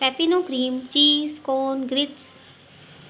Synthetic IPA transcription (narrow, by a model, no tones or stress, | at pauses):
pɛːpinõːkɾiːmt͡ʃiːskoːnɡɾɪʈs